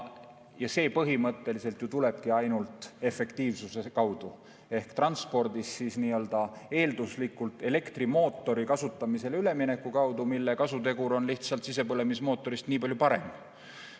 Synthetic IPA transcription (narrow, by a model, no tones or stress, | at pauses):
jɑse̞ːpɤɦimɤt̪ːe̞lise̞lt̪jut̪ule̞b̥̚kiɑjnult̪ˑe̞fːe̞kt̪iːvsuse̞kɑwd̪̥u | e̞hkt̪rɑnspo̞rd̪̥isːiːsniːøld̪̥ɑe̞ːld̪uslikːˑult̪ːˑe̞le̞kt̪rimo̞ːt̪ːˑo̞ɾikɑsut̪ˑːɑmise̞lyle̞mine̞kːukɑwd̪umilːe̞kɑsut̪e̞ɡuɾo̞nliht̪sɑlt̪sise̞pɤle̞mismo̞ːt̪ˑːo̞ɾist̪niːpɑljupɑɾe̞m